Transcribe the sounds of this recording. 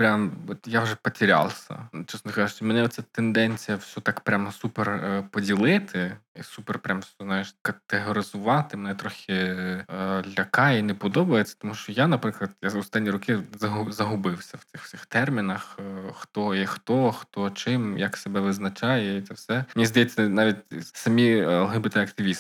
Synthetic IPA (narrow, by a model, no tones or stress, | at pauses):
pɾʲamɔt̪jawʒɛpɐtʲiɾʲa̰lˠsʲɐ̰t͡ʃɛsɔkaʒʊt͡ʃɛmɛnɛɔt̪t͡ssʲɛt̪end̪ɛnʲt͡sʲijɐwsʲɔt̪ɑkpɾʲamsuperpɔdʲilˠɪt̪ʰɪisuperpɾʲamznajeʃkɐt̪eɦɔɾʲɪzʊʋɑt̪ɪmenɛt̪ɾɔxʲɪ | lʲɐkɑinɛpɔd̪ɔbɐjet͡sʲːɐ̥t̪ɔmuʃt͡ʃɔjanɐpɾɪklˠɐd̪jaɔst̪ɑnʲːiɾɔkɪzɐɦʊzɐɦʊbɪwsʲɐw̥t̪sɪxsʲɪxt̪ɛrmʲinɐxxt̪ɔixt̪ɔxt̪ɔt͡ʃɪmjɐksebɛʋɪznɐt͡ʃɑjɛit̪ɛwsɛmnʲizd̪ɐjɛt͡sʲːɐnɑʋʲitʲsɐmʲiɐlˠɦɪbɪt̪ɛɐkt̪ɪʋʲis